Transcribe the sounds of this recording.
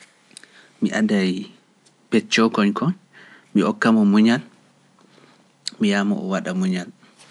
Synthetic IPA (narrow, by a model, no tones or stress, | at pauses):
miʔadaj | pɛt͡ʃːɔkɔɲkʰɔɲ | miɔkːamɔmuɲal | mijamɔ̰ʔɔwaɗamuɲal